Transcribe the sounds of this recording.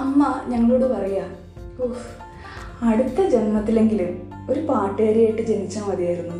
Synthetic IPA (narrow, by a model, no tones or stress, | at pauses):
ɐmːɐɲɐŋːɐɭoːɽepɐrɐjaː | o | ɐɽut̪ːɐd͡ʑe̞nmɐt̪ːile̞ŋɡilum | o̞ɾupaːʈːeːɾijaːjʈːɨd͡ʑe̞nit͡ɕːaːmʋɐðijaːjiɾunːu